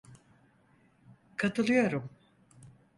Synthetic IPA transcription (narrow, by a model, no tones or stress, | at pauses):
kʰat̪ʰɯlˠɯjoɾum